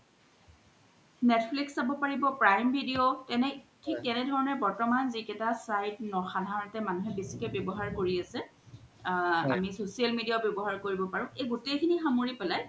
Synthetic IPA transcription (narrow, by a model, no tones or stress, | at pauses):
nɛtʰpʰliksːabɔpaɹibɔpɹajmbʱidiotɛnɛtʰik̚tɛnɛdʱɔɹɔnɛbɔɹtɔmanzikɛtasajt̚nɔxadʱaɹɔnɔtɛmanuɦɛbisikɛbjɔbɔɦaɹkoɹiasɛ | a̰misosialmidijabjɔbɔɦaɹkoɹibɔpaɹʊ̃ʔeɡutekʰinixamoɹipɛlaj